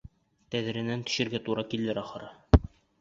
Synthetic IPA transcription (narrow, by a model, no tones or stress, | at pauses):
t̪æðɘ̆ɾɘ̆nænt̪ɵ̥̆ɕɘ̆ɾɡæt̪uɾɑkilːɘɾɒχɤ̆ɾɑ